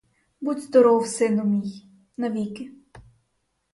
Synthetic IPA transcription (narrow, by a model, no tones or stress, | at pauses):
bud̪ʲzd̪ɔɾɔwsɪnʊmʲij | nɐʋʲikɪ